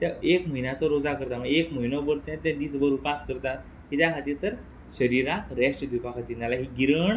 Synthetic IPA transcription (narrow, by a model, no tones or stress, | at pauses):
t̪aekməɦinat͡sɔɾod͡zakəɾt̪amə̃ɡekməɦinɔbəɾt̪ɛ̃t̪ɛ̃d̪iːsbəɾupaskəɾt̪at̪̚ | ɦit̪jakʰat̪iːɾt̪əɾ | ɕəɾiɾakɾɛʂʈd̪upakʰat̪iːɾt̪alaɦiɡiɾəɳ